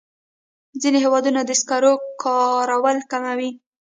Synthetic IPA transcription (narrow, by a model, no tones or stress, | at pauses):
zineɦewɑd̪unad̪əskɑɾokʰɑɾawəlkamawi